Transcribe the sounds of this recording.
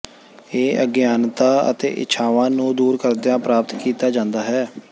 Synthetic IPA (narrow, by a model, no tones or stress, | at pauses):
eːəɡjaːnt̪aːə̰t̪ḛːʔɪ̰t͡ʃʰaːʋãːnũːd̪uːɾkəɾd̪ejãːpɾaːpət̪kiːt̪aːd͡ʒãːnd̪aːɦɛː